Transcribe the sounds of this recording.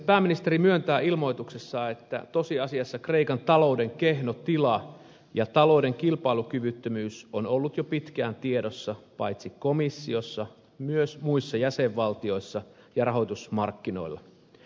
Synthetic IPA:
pæːmːinist̪eɾimyønt̪æːilmo̞it̪uksesːɑːet̪ːæ̰t̪o̞siɑsiɑsːɑkreikɑnt̪ɑloude̞ŋkehnot̪ilɑ | jɑt̪ɑlo̞udeŋkilpɑilukyʋyt̪ːømyːsonolːut̪jopit̪kæːnt̪iedosːɑpɑ̰jt̪sikomisːio̞sːɑ | myøsmuisːɑjæseʋːɑlt̪io̞isːɑ | jɑrɑɦo̞it̪usmɑrkːino̞̰ilːɑ̰

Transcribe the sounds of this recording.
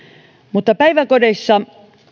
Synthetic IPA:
mut̪ːɑpæiʋækodesːɑ

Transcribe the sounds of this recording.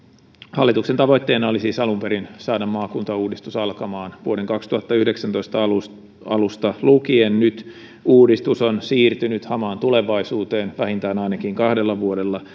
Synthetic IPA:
hɑlːit̪uksent̪ɑʋoit̪ːeːnɑolisiːsɑlumpeɾinsɑːdɑmːɑːkunt̪ɑuːdist̪usɑlkɑmɑːnʋuoɾeŋkɑkst̪uhɑt̪ːɑyhdeksænt̪o̞ist̪ɑlu | ɑlust̪ɑlukiennyt̪ | uːdist̪usonsiːrt̪ynyt̪hɑmɑːnt̪uleʋɑisuːt̪eːnʋæhint̪æːnɑinɑkiŋkɑhdelːɑʋuode̞lːɑ

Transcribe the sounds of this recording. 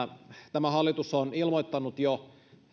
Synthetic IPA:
t̪æmæhɑlːˑit̪usonilmoit̪ːɑnut̪jo

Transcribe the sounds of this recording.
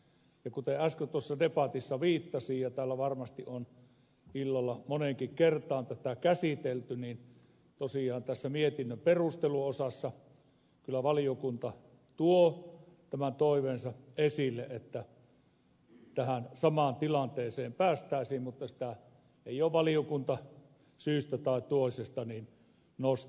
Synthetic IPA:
jɑkut̪eæskøt̪uosːɑdepɑt̪isːɑʋiːt̪ːɑsiːjjɑt̪æːlːæʋɑrmɑst̪iʔʔon | ilːɑlːɑmoneŋkikkert̪ˑɑːnt̪æt̪ækæsit̪elt̪yniːn | t̪osiˑɑːnt̪æsːæmiet̪inːømperust̪eluosɑsːɑ | kylːˑæʋɑlijokunt̪ɑ | t̪uot̪æmænt̪oˑiʋensɑesilːeʔet̪ːæ | t̪æhænsɑmɑːnt̪ilɑnt̪eːseːmpæːst̪æˑesiːmmut̪ːɑsĭ̥t̪æ | eˑioːʋʋɑliokunt̪ɑ | syːst̪æt̪ɑˑit̪uoˑisest̪ɑniːn | nos

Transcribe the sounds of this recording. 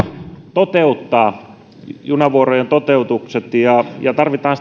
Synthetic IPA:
t̪ot̪eut̪ːɑː | junɑʋuorojent̪ot̪eut̪ukset̪jɑjɑt̪ɑrʋit̪ɑːns

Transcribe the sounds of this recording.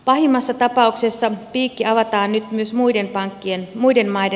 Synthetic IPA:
pɑhimːɑsːɑt̪ɑpɑˑuksesːɑpiːkːiɑʋɑt̪ɑːnnyt̪myøsmuidempɑŋkːienmuidenmɑide

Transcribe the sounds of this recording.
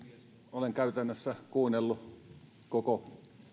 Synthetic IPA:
oleŋkæˑyt̪ænːøsːækuːnelːu | koko

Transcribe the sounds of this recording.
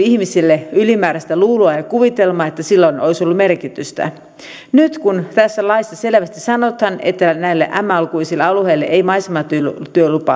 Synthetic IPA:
ihmisilːeylimæːɾæst̪æluːloɑjɑkuʋit̪e̞lmɑːet̪ːæsilːoinʔo̞jso̞lːume̞rkit̪yst̪æ̰ | nyt̪kunt̪æsːælɑist̪ːɑse̞lʋæst̪isɑnot̪hɑne̞̰t̪ːænæilːeʔæmːæɑlkuisilːeɑluheilːeʔejmɑisemɑt̪yt̪yølupɑ̰

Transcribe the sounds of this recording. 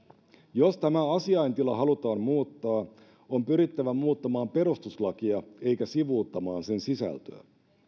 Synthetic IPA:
jo̞st̪æmæɑsiɑjnt̪ilɑɦɑlut̪ɑːmmuːt̪ːɑː | ompyɾit̪ːæʋæmuːt̪ːɑmɑːmpe̞ɾust̪uslɑkiɑe̞jkæsiʋuːt̪ːɑmɑːnse̞nsisæ̰lt̪ø̰ː

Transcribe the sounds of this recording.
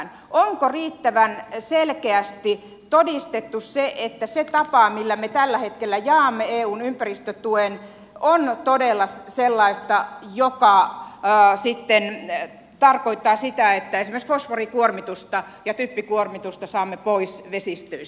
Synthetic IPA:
n | ʔoŋkoriːt̪ːæʋænselkeæst̪i | t̪odist̪et̪ːusseʔet̪ːæset̪ɑpɑmilːæmet̪ælːæhet̪kelːæjɑːmːeeːuːnympærist̪øt̪uen | ont̪odelːɑsselːɑist̪ɑjokɑ | sit̪ːen | t̪ɑrkoit̪ːɑːsit̪æet̪ːæesimeksfosforikuormit̪ust̪ɑjɑt̪ypːikuormit̪ust̪ɑsɑːmːepoisʋesist̪øis

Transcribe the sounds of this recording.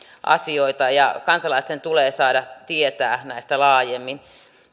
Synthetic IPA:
ʔɑ̰sioit̪ɑjɑkɑnsɑlɑist̪ent̪uleːsɑːdɑt̪iet̪æːnæist̪ælɑːjemːin

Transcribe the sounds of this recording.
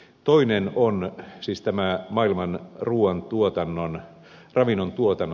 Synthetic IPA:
t̪oinenonsiːst̪æmæmɑilmɑnruːɑnt̪uot̪ɑnːon | rɑʋinːont̪uot̪ɑnː

